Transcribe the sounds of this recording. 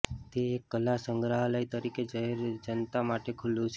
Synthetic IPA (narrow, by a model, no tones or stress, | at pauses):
t̪eːkːəlːasəŋɡɾaɦəlait̪əɾiked͡ʒəɦeɾd͡ʒənt̪amaʈekʰʊlːũt͡ʃʰ